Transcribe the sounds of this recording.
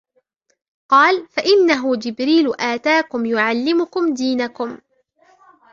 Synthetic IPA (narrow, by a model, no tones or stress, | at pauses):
qɑːlfaʔɪnːaɦʊd͡ʒɪbɾiːlʊʔaːt̪aːkʊmjʊʕalːɪmʊkʊmd̪iːnakʊm